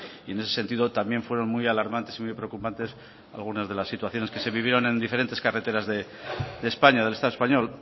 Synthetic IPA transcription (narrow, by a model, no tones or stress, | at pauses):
ie̞ne̞sese̞nt̪iðo̞t̪amje̞ɱfwe̞ɾo̞nmujalaɾmãnt̪esimujpɾe̞okupant̪e̞s | a̰lɣ̞unazðe̞lasːit̪waθjo̞ne̞ske̞se̞βiβ̞jeɾo̞nẽ̞nd̪ifeɾe̞nt̪eskare̞t̪e̞ɾazðe̞ | d̪espaɲaðe̞le̞st̪aðoespaɲo̞l